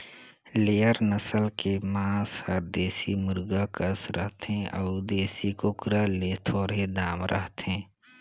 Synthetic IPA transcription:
leːəɾnəsəlkemãːshəɾd̪eːsimʊɾɡakəsɾəɦt̪ɦẽʔəʊd̪eːsikokɾaleːt̪ʰoːɾed̪aːmɾʔə̰ɦt̪ɦẽː

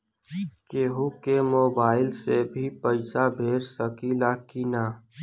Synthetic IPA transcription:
keːɦukemoːbaːɪlsebʱipəɪsabʱeːɾsəkilaːkina

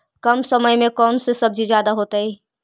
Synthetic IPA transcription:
kəmsəməjmẽkɔːnsesəb̚d͡ʒʱid͡ʒjaːd̪aɦoːt̪əi

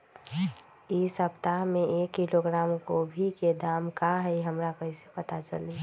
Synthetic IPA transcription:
isəpt̪aɦmẽeːkːiloɡɾaːmkobʱiked̪aːmkaɦɛiɦəmɾakəise̥pət̪at͡ʃəle

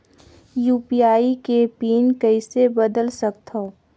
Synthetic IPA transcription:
juːpiaːikepiːnkəɪsebəd̪əlsək̚t̪ɦoː

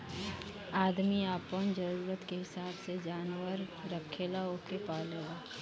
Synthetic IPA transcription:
aːd̪miaːpond͡ʒəɾuːɾət̪keɦɪsaːbsed͡ʒaːnwəɾɾəkʰeːlaokepaːleːla

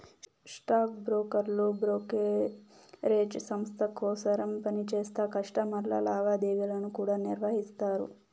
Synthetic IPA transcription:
sʈaːk̚bɾoːkɐɾlubɾoːke | ɾeːd͡ʒsɐmst̪ʰɐkoːsɐɾɐmpɐnit͡ʃeːst̪ɐkɐʂʈɐmɐɾlɐ̰laːʋaːd̪eːʋilɐnukuːɽaːniɾʋɐɦist̪aːɾṵ

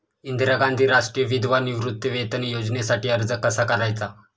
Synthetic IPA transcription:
ind̪ɾaɡãnd̪ʱiːɾaʂʈɾijəʋid̪ʱʋaniʋɾut̪ːjəʋet̪ənjod͡znesaʈiːəɾd͡zəkːəsakəɾajt͡sa

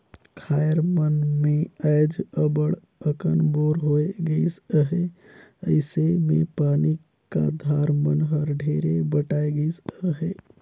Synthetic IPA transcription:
kʰajəɾmənmeəjd͡ʒəbəɽ | əkənboɾɦoeɡəɪsəɦe | əɪsemepani | ka̰d̪ʱaɾmənɦəɾɖʱeɾebəʈaeɡəjsəɦe

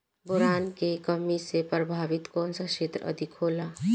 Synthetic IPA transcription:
boɾaːnkekəmisepɾəbʱaːʋɪt̪kɔːnsaʃeːt̪ɾə̰d̪ʱikɦoːla

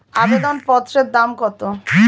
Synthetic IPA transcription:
abed̪onpɔt̪ːɾeɾd̪amkɔt̪o

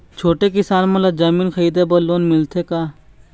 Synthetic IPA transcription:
t͡ʃʰoːʈekɪsaːnmɐləd̪d͡ʒɐmiːnxʰəiːd̪ebɐlːoːnmɪlt̪ʰekaː

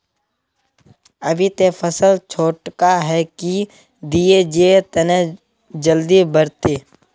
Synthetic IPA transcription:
əbʱit̪efəsəlt͡ʃʰoːʈkaɦɛki | d̪ied͡ʒeet̪ənẽ | d͡ʒəld̪ibəɾt̪eː

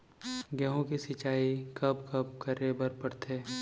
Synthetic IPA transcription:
ɡɛɦõkisɪt͡ʃaːikɐbkɐbkəɾebəɾpəɽt̪ʰeː

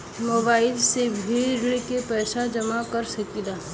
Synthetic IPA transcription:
moːbaːɪlsebʱiːɾɽekepɛːʃad͡ʒɐmakɐɾsɐkid̪aː

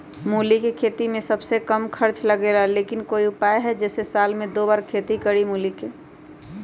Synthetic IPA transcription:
muːlikekʰeːt̪imẽsəbsekəmkʰəɾt͡ʃləɡelaleːkɪnkoːiʊpaːeɦɛd͡ʒɛːsesaːlmẽd̪oːbaːɾkʰeːt̪ikəɾimuːlike

